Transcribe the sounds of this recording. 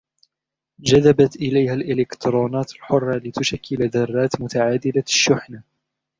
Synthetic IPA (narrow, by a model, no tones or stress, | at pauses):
d͡ʒad̪abat̪ʔɪlajhalʔɪlɪkt̪ɾˤoːnaːt̪alħʊrˤːɑlɪt̪ʊʃakʰːɪlad̪ɑrˤːɑːt̪mʊt̪aʕaːd̪ɪlaʃːʊħna